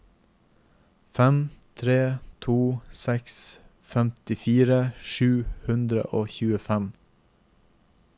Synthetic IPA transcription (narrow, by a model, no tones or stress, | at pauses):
fɛmt̪ʰɾeːt̪ʰuːsɛks | fɛmt̪ɪfiːɾəʃʉːhʉnd̪ɾə̰ʔoːçʉːəfæm